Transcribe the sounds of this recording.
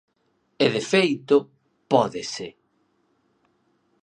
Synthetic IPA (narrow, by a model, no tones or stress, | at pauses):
eðefejt̪ʊ | pɔðɪsɪ